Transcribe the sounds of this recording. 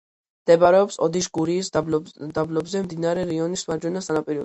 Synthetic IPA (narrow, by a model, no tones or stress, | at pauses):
md̪ɛbaɾɛɔpsɔd̪iʃɡuɾiːsd̪ablɔbzɛmd̪inaɾɛɾiɔnismaɾd͡ʒwɛnasanapʼiɾɛ